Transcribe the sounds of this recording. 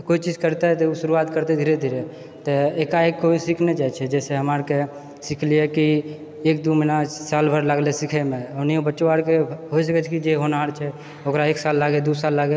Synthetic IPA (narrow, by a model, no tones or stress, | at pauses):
koit͡ʃid͡ʒkəɾt̪et̪ɔusuɾuat̪kəɾt̪ed̪ʱiɾed̪ʱiɾe | t̪ɔekaekːoisikʰned͡ʒat͡ʃʰɛd͡ʒɛseɦəmaɾke | sikʰlieki | ek̚d̪uminasalbʱəɾlaɡlesikʰɛmeoniobətːʃoaɽkeɦois̬əkɛt͡ʃʰkid͡ʒeɦonaɾt͡ʃʰɛ | okɾaeksalːaɡed̪usalːaɡe